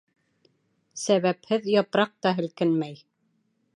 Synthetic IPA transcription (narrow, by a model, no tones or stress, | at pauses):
sæβæphɘðjɑpɾɑq̚t̪ɑɦɘ̆lkɘnmæj